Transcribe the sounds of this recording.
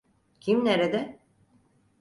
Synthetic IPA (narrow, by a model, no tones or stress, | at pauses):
cʰimneɾed̪ɛ